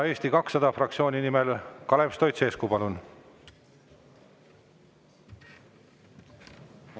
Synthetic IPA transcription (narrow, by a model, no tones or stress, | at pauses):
eːsʲt̪ikɑksːɑd̪̥ɑfrɑk̚t̪sio̞ːnʲinimelkɑle̞pst̪o̞jt̪seːskupɑlun